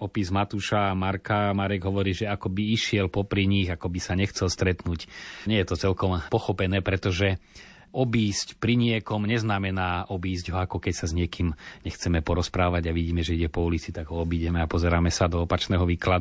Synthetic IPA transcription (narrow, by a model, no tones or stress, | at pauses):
ɔpizmat̪uːʃamaɾkamaɾɛɡɦɔʋɔɾiːʒɛakɔbiiʃɪɛlpɔpɾiɲiɣakɔbisaɲɛxt͡sɛlst̪ɾɛt̪nuːcɲɪɛjɛt̪ɔt͡sɛlkɔmpɔxɔpɛnɛːpɾɛt̪ɔʒɛ | ɔbiːscpɾiɲɪɛkɔmɲɛznamɛnaːʔɔbiːzɟɦɔakɔkɛcsazɲɪɛkiːmɲɛxt͡sɛmɛpɔɾɔspɾaːʋaɟaʋiɟiːmɛʒɛiɟɛpɔuːlit͡sit̪aɡɦɔɔbiɟɛmɛapɔzɛɾaːmɛsad̪ɔɔpat͡ʃnɛːɦɔʋiːklad̪